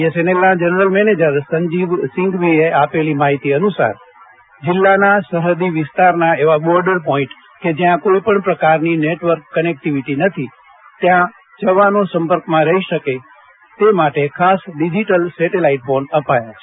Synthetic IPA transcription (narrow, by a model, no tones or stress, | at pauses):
esenelnad͡ʒənɾəlmɛned͡ʒəɾsəɲd͡ʒiʋsɪ̃ŋɡʋieapelimaɦit̪iənusa̰ɾ | d͡ʒɪlːanasəɾəd̪iʋɪst̪aɾnaeʋabɔɾɖəɾpɔĩʈ | ked͡ʒjãkoipəɳpɾəkaɾnineʈʋəɾkːənek̚ʈiʋiʈinət̪ʰi | t̪jã | d͡ʒəʋanosə̃mpəɾkmãɾəɦiʃəke | t̪emaʈekʰasɖid͡ʒiʈəlsɛʈelaiʈfonəpajat͡ʃʰe̥